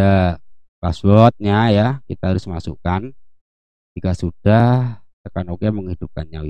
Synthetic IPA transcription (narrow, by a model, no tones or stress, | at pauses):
akaswɔt̪̚ɲajakit̪aɦaɾʊsmasṵkan | d͡ʒiɡaʔsud̥aht̪əkanokeməŋhid̥up̚kanɲa